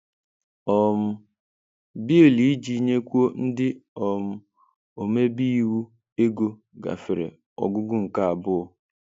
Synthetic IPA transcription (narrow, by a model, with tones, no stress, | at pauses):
ɔ˨m̩˦ | bi˦e˨li˨i˦d͡ʒi˦ɲe˦kʷu˦o˦n̩˦dɪ˦ɔ˨m̩˦ | o˨me˦bi˦i˦wu˦ | e˦ɡo˦ | ɡa̰˨fɪ˨ɾɪ̰˨ | ɔ̰˨ɡʊ˦ɡʊ˦ŋ̩˨ka˦˨a˨bʊ˦ʊ˦˨